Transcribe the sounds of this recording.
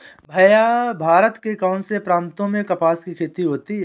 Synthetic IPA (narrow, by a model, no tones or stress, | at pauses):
bʱɐjabʱaːɾət̪kekaːnsepɾãːnt̪õmẽkɐpaːskikʰeːt̪iɦoːt̪iɦɛ